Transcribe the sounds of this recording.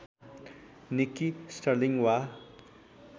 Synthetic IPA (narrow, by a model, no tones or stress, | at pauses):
nikːisʈʌɾliŋwa